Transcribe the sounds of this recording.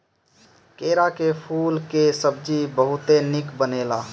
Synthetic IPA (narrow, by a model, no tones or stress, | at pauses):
keːɾakepʰuːlkesəb̚d͡ʒibəɦʊt̪enɪkbəneːla